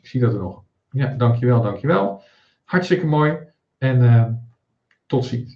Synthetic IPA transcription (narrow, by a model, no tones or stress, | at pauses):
ɪksiədɔtənɔx | jadɑŋkʰjəʋɛlˠdɑŋkʰjəʋɛlˠ | hartstɪkəmoj | ɛnə | tɔtsi